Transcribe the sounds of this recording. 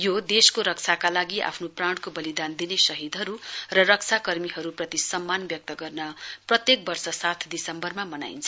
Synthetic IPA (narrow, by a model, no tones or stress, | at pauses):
jod̪eskoɾʌk̚t͡sʰakalaɡiʔa̰pʰnopraɳɽɖkobʌlid̪and̪inesʌɦid̪ɦʌɾurʌrʌk̚t͡sʰakʌrmiɦʌɾuprʌt̪isʌmːanbjʌk̚t̪ʌɡʌrnʌprʌt̪jek̚bʌrsʌsat̪ʰd̪isʌmbʌrmamʌna̰jnt͡sʰʌ